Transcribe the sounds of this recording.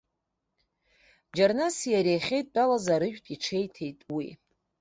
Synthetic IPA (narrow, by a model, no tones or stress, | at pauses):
d͡ʒarnasijaɾejχʲejtʼt͡pʼalazaɾɨʒᶣtʼiʈ͡ʂʰe̞jtʰe̞jtʼwḭ